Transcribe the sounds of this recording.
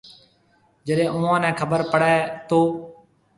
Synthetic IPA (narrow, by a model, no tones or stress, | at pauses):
d͡ʒəɗẽːʔʊːãːnɛ̃ːkʰəbəɾpəɽɛːt̪oː